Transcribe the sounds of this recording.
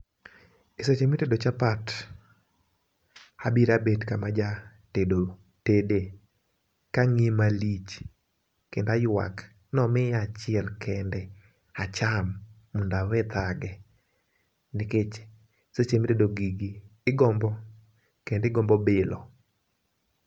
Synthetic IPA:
ɪsot͡ʃemitedot͡ʃapat | abiɾabetkamad͡ʒa | tedo | tede | kaŋimalit͡ʃ | kendajwa̰k | nɔmɪat͡ʃɪɛlkɛndɛ | at͡ʃamː | undawɛt̪aɡɛ | nɪket͡ʃː | sot͡ʃemitedoɡiɡiːɡɔmbɔ | kendɪɡɔmbɔbɪlɔ̰

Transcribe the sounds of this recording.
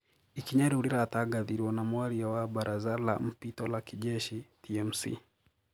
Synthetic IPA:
ikiɲaɾiuɾiɾataɡaðiɾiwɔnamuaɾiawabaɾʔazala̰m̩pitɔlakiʄɛʃitʰiɛmsḭ

